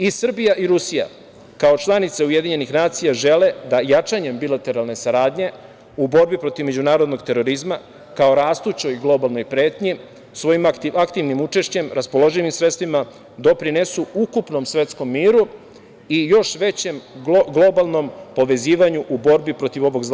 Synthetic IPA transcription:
isr̩bijaʔiɾusija̰ | kao̞t͡ʃlˠanit̪se̞uje̞d̪iɲe̞nixnaːt̪sijaʒe̞le̞d̪ajat͡ʃaɲe̞mbilat̪e̞ɾalˠne̞saɾaːd̪ɲe̞ | ubo̞ɾbipɾo̞t̪iʋme̞d͡ʑunaːɾod̪no̞ɡt̪e̞ɾo̞ɾizma | kao̞ɾaːst̪ut͡ɕo̞jɡlˠo̞balˠno̞jpɾe̞ːt̪ɲi | sʋo̞jimakt̪iʋnimut͡ʂe̞ʃt͡ɕe̞mɾaspo̞lo̞ʒiʋimsɾe̞t̪st̪ʋima | d̪o̞pɾinesuukupno̞msʋe̞t̪sko̞mːiːɾu | ijo̞ʃʋe̞t͡ɕe̞mɡlˠo̞balˠno̞mpo̞ʋe̞ziːʋaɲuʔubo̞ɾbipɾo̞t̪iʋo̞ʋo̞ɡz

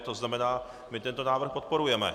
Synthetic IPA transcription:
t̪oznamɛnaː | mɪt̪ɛnt̪o̞naːvr̩xpo̞t̪̚po̞ɾujɛmɛ̰

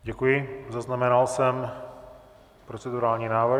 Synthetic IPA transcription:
ɟɛkujɪzaznamɛnalsɛm | pɾo̞t͡sɛduɾaːlɲiːnaːvɾ

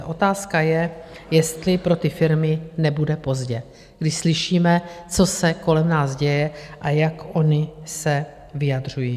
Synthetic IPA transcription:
ʔo̞t̪aːskajɛ | jɛst̪lɪpɾo̞t̪ɪfɪɾmɪnɛbudɛpo̞zɟɛ | ɡ̥dɪʃslɪʃiːmɛt͡so̞sɛko̞lɛmnaːzɟɛjɛʔajakʔo̞ɲɪsɛ | vɪjadr̝ujiː

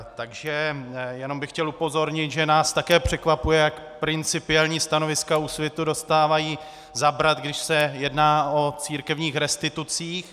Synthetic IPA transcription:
t̪aɡʒɛjɛno̞mbɪxcɛlupo̞zo̞ɾɲɪt̪ʒɛnaːst̪akɛːpr̝̥ɛkvapujɛjak | pɾɪnt͡sɪpɪɛlɲiːst̪ano̞vɪskausvjɛt̪udo̞st̪aːvajiː | zabɾat̪ɡdɪʃsɛjɛdnaːo̞t͡siːɾkɛvɲiːxɾɛst̪ɪt̪ut͡siːx

